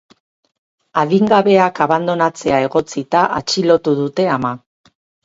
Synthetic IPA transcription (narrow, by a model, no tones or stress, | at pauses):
aðiŋɡaβe̞akaβand̪o̞nat͡se̞ae̞ɣo̞t͡sit̪aʔat͡ʃilo̞t̪uðut̪e̞ama